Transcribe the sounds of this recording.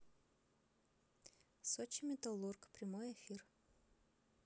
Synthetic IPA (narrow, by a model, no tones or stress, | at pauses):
sɔt͡ɕɪmʲɪt̪ɐlˠurkpɾʲɪmojɛfʲir